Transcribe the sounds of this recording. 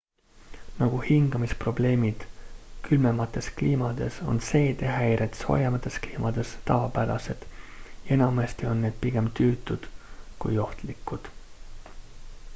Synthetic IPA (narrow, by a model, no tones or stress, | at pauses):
nɑɡ̥uhiŋɡ̥ɑmispro̞b̥le̞ːmid̪̥kʰylmemɑt̪ːˑe̞skliːmɑd̪̥e̞so̞̰nse̞ːt̪e̞ɦæjɾet̪so̰ːjɑmɑt̪ˑːe̞skliːmɑd̪̥e̞st̪ɑvɑpæɾɑ̰se̞d̪̥jɑe̞nɑmest̪io̞nːeːd̪̥piɡ̥e̞mt̪yːt̪ːˑud̪̥kujo̞ht̪likːˑud̪̥